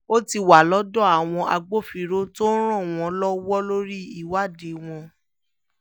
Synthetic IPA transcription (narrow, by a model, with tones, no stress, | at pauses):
o˦ti˧wa˨lɔ˦dɔ˦˨a˨w̃ɔ̃˧ʔa̰˧ɡ͡bo˦˨fi˧ɾo˦to˦n̩˦ɾ̃ã˦˨w̃ɔ̃˧lɔ˦wɔ˦lo˦ɾi˦i˦˨wa˦˨de˨˦w̃ɔ̃˧